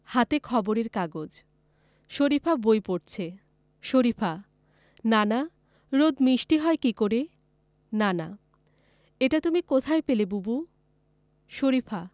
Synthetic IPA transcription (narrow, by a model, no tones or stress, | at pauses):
hat̪ekʰɔboɾeɾkaɡod͡ʑ | ʃoɾipʰabojpoʈt͡ɕʰe | ʃoɾipʰa | nana | ɾod̪miʃʈiɦɔekikoɾe | nana̰ | eʈat̪umikot̪ʰaepelebubu | ʃoɾifʰa